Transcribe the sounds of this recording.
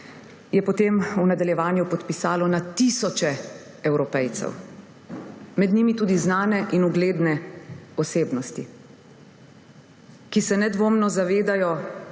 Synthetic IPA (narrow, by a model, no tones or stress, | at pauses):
jɛpɔt̪emunad̪aljɛʋaːnjupɔt̪pisaːlɔnat̪isɔt͡ʃɛ | ɛwɾɔpɛjt̪sɛ̰w | mɛd̪niːmit̪uːd̪iznaːnɛʔinuɡleːd̪nɛɔseːbnɔst̪i | kisɛnɛd̪ʋoːmnɔzaʋeːd̪ajɔ